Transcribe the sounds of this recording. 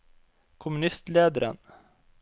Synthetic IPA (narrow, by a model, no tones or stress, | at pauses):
kʰɔmɵnɪst̪leːd̪əɾə̰n